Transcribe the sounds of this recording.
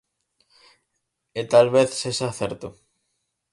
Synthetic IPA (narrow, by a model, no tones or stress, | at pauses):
et̪alβeθsesaθeɾt̪o